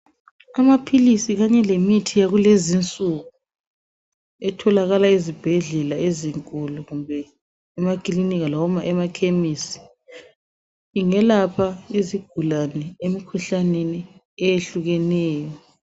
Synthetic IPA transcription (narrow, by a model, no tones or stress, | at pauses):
amapʰilisiɣaɲɛlemitʰijaɣulezint͡sʼuɣu | ɛtʰɔlaɣalaizib̥ʱɛɮɛlaeziŋkʼuluɣumbʱɛː | makʼiliniɣalɔmaʔɛmakʰemisi̥ | iŋɛlapʰaiziɡ̥ʱulanɛemikʰuɬaneni | ɛjeɬuɣɛnɛːjɔ